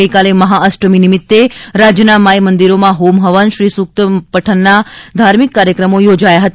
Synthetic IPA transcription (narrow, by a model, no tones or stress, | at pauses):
kaleməɦaəsʈəminimɪt̪ːeɾad͡ʒjənamajmənd̪iɾomãɦomɦəʋənʃɾisuk̚t̪əpəʈʰənːad̪ʱaɾmikːaɾjəkɾəmojod͡ʒajaɦət̪